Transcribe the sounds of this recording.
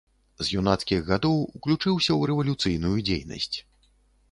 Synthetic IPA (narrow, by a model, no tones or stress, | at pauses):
zjunat̪skʲiɣɣad̪ɔwuklʲut͡ʂɨwsʲɐwɾɛvɐlʲut̪sɨjnujud͡zʲḛjnɐ̰sʲt͡sʲ